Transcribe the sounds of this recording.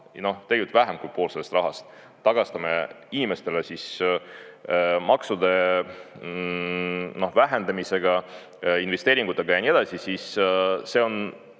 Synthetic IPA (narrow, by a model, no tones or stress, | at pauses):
no̞ht̪eɡʲjlt̪væɦe̞mkujpoːlselest̪rɑɦɑst̪ | t̪ːɑɡ̥ɑst̪ɑme | inime̞st̪e̞lesis | mɑksud̪̥e̞ | no̞hvæɦe̞nd̪ɑmise̞ɡ̥ɑ | inve̞st̪eːɾiŋɡ̥ut̪ːˑe̞ɡ̥ɑjɑnie̞d̪̥ɑsisisse̞o̞n